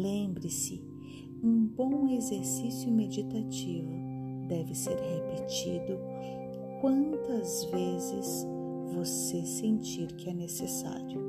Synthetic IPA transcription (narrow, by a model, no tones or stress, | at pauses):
lẽmbɾɪsɪ | ũbõw̃ezeɾsisjʊmed͡ʒit̪at͡ʃivʊd̪ɛvɪseɾhepet͡ʃid̪ʊ | kwɐ̃nt̪ɐzvezɪs | vosesẽnt͡ʃiɾkɪɛnesesa̰ɾjʊ